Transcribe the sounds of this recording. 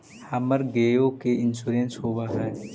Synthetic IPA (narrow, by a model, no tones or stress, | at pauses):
haməɾɡeːjokeɪnsuːɾẽːnsɦoːʋaɦɛː